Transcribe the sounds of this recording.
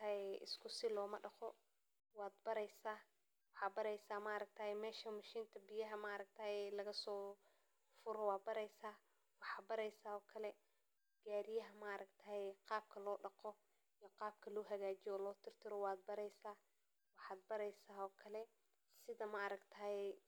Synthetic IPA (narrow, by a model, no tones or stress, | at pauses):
t̪ʰɐɛʔɪ̰skʰʊsɪlɔːmɐɖɑqɔ | wɑːd̪bɐɾɛjsaː | wɑħɑːd̪bɐɾɛjsaːmɐʔɐɾɐk̚t̪ʰɐhɛmɛːʃɐmɐʃiːnt̪ʰɐbɪjɐɦɐmɐʔɐɾɐk̚t̪ʰɐaːɛlɐɣɐsɔː | fʊɾɔwɑːd̪̚bɐɾɛjsaː | wɑħɑːd̪̚bɐɾɛjsaːɔːkʰɐlɛ | ɡ̥aːɾɪjɐɦɐmɐʔɐɾɐkt̪ʰɐhɛqɑːb̚kʰɐlɔːɖɑqɔ | ijɔqɑːb̚kʰɐlɔːɦɐɣaːt͡ʃɪjɔːlɔːt̪ʰɪrt̪ʰɪɾɔwɑːd̪̚bɐɾɛjsaː | wɑħɑːd̪̚bɐɾɛjsaːɦɔːkʰɐlɛ | sɪðɐmɐɐɾɐɡt̪ʰɐhɛ